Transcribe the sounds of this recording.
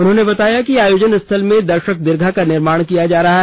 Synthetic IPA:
ʊnɦõːnebɐt̪aːjakiaːjoːd͡ʒənɪst̪ʰəlmẽd̪ɐɾʃək̚d̪ɪɾɡʱakanɪɾmaːɽ̃kijad͡ʒaːɾɐɦaɦ

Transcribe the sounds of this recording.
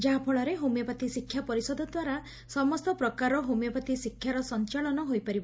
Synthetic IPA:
d͡ʒaɦapʰɔɭɔɾeɦomjɔpat̪isikʰːjapɔɾisɔd̪ɔd̪waɾa | sɔmɔst̪ɔpɾɔkaɾɔɦomjɔpat̪isikʰːjaɾɔsɔnt͡ʃaɭɔnɔɦojpaɾibɔ

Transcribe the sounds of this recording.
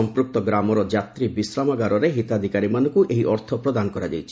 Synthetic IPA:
ɔmpɾuk̚t̪ɔɡɾamɔɾɔd͡ʒat̪ɾibisɾamaɡaɾɔɾeɦit̪ad̪ʱikaɾimanɔŋkuʔeɦiʔɔɾt̪ʰɔpɾɔd̪anɔkɔɾad͡ʒajt͡ʃʰi̥

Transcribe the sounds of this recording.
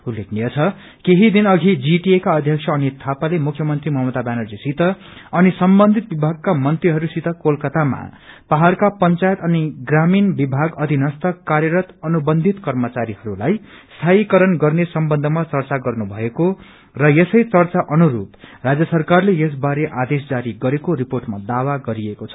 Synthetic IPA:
ulːekʰnijʌt͡sʰʌ | keɦid̪inʌɡʱid͡ziʈiekaʌd̪ʱjʌksʰʌːnit̪ʰapalemukʰːjʌmʌnt̪rimʌɦmʌt̪abjanʌrd͡zisit̪ʌʌnisʌmbʌnd̪ʱit̪̚bibʱaɡ̚kamʌnt̪riɦʌɾusit̪ʌkolkʌt̪ama̰paɦarkapʌnt͡sajt̪ʌniɡraminbibʱaɡʌd̪ʱinʌst̪ʌkːarjʌɾʌt̪ʌnubʌnd̪ʱit̪kʌrmʌt͡saɾiɦʌɾulajst̪ʰaikʌɾʌnɡʌrnesʌmbʌnd̪ʱʌmat͡sʌrt͡saɡʌrnubʱʌeko | rʌjesʌjt͡sʌrt͡saʔʌnuɾṵprad͡zjʌsʌrkarlejes̬baɾeʔad̪esd͡zaɾiɡʌɾekoɾiporʈmad̪awaɡʌɾiekot͡sʰʌ̥

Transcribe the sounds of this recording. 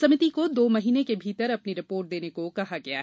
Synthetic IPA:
sɐmɪt̪ikod̪oːmɐɦiːnekebʱiːt̪əɾɐpniɾɪpoːɾʈ̚d̪eːnekokɐɦaɡɐja̰ːɦ

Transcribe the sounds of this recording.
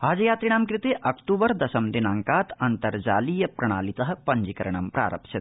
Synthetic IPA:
aːd͡ʒɐjaːt̪ɾiɳ̃aːmkɾit̪eːʔɐkʈuːbɐɾd̪ɐʃɐmd̪inaːŋkaːt̪ɐnt̪ɐɾd͡ʒa̰ːliːjɐpɾɐɳ̃aːlit̪ɐɦɐ̆pɐɲd͡ʒikɐɾɐɳ̃ɐmpɾa̰ːɾɐ̰pʃɐt̪̚

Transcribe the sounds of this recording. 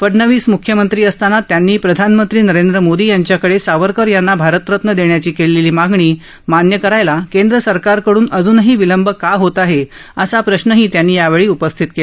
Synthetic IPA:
fəɽɳəʋiːsmukʰjəmənt̪ɾiːəst̪anat̪janːiːpɾəd̪ʱanmənt̪ɾiːnəɾend̪ɾəmod̪iːjaɲt͡ɕjakəɽesaʋəɾkəɾjanːabʱaɾət̪ɾət̪nəd̪eɳjat͡ɕiːkeleliːmaɡɳiː | manjəkəɾajlakend̪ɾəsəɾkaɾkəɽuːnəd͡zuːnɦiːʋiləmbəkaɦot̪aɦe | əsapɾəɕnəɦiːt̪janːiːjaʋeɭiːupəst̪ʰit̪kel

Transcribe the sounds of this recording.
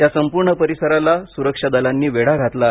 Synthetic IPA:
t̪jasəmpuɾɳəpəɾisəɾalasuɾəkʂad̪alanːiːʋeɽaɡʱat̪la

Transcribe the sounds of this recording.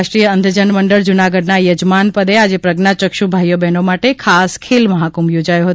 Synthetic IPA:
aʃʈɾijəənd̪ʱəd͡ʒənməɳɖəɭd͡ʒunaɡəɖnajəd͡ʒmanpəd̪ead͡ʒepɾəɡnat͡ʃəkʃubʱajobɛnomaʈekʰaskʰelməɦakumjod͡ʒajõɦət̪

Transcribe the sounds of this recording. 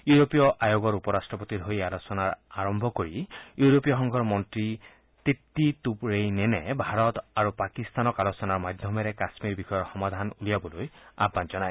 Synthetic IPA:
juɹopijɔʔajoɡɔɹupɔɹastɹɔpot̪idʱɦojalosɔnaɹaɹɔmbʱɔkoɹijuɹopijɔxɔŋɡʱɔɹmɔntɹi | t̪etːitupɹejnɛnɛbʱaɹɔtaɹupakist̪anɔkalosɔnaɹmadʱjɔmɛɹɛkasmiɹbixɔjɔɹxɔmad̪ʱanulijabɔloja̰banzɔnaj

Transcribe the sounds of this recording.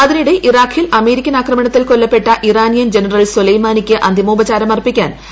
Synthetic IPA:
ɐðiniɽeʔiraːkʰilɐme̞ːɾikʲːɐnaːkrɐmɐɳɐt̪ːilkolːɐpːe̞ʈːɐʔiraːnjɐnd͡ʑenɐrɐlsulɐjmaːnikʲːɨʔɐ̰nd̪ʱiɐmoːbɐt͡ɕaːɾɐmɐrpikʲːaːn

